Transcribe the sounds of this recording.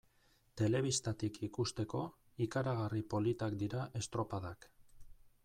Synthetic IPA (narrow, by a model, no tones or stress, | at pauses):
t̪e̞le̞β̞ist̪at̪ikʰikust̪e̞ko̞ | ikaɾaɣ̞aripo̞lit̪akd̪iɾaʔe̞st̪ɾo̞paðak